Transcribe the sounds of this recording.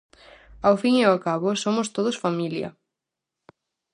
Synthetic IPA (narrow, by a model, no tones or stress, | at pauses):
awfiŋeokaβʊsomʊst̪oðʊsfamiljɐ̰